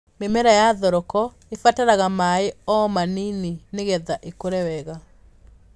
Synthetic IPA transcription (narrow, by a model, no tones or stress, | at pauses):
memɛɾajaðɔɾɔkɔ | efataɾaɣamaeɔmaninineɣɛðaʔekoɾɛwɛɣa